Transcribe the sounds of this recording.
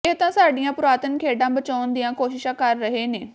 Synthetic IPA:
ɪɦt̪ãːsaːɖijãːpʊɾaːt̪ənkʰeːɖãːbət͡ʃaːnd̪ijãːkoːʃɪʃãːkəɾːəɦeːneː

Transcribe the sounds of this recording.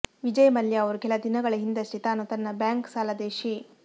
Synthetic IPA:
ʋid͡ʒɐjɐmɐljɐɐʋɐɾukɛlɐd̪inɐɡɐɭɐɦind̪ɐsʈit̪aːnut̪ɐnːɐbjaːŋksaːlɐd̪eːʃi

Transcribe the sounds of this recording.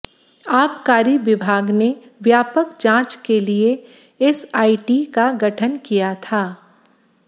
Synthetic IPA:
aːpkaːɾiʋɪbʱaːɡneʋjaːpəkd͡ʒãːt͡ʃkelie | ɪsaːiʈikaɡɐʈʰənkijat̪ʰaː

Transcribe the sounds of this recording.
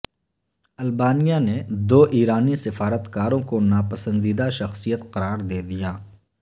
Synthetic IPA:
ɐlbaːnijaned̪oːʔiːɾaːnisɪfaːɾət̪kaːɾõkonaːpəsə̃nd̪iːd̪aʃɐxsijət̪qɐɾaːɾd̪eːd̪ijaː

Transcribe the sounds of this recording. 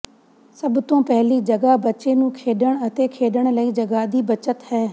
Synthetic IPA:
səbt̪õːpɛɦliːd͡ʒəɡaːbətːʃeːnũːkʰeːɖəɳət̪eːkʰeːɖəɳ̃ləiːd͡ʒəɡaːd̪iːbət͡ʃət̪hɛː

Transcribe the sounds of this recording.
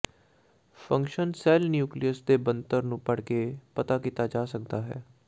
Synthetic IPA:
pʰə̃ŋkʃənsɛːlnjuːklijəsd̪eːbənt̪əɾnũːpəɽkeːpət̪aːkiːt̪aːd͡ʒaːsək̚d̪aːɦɛ̰ː

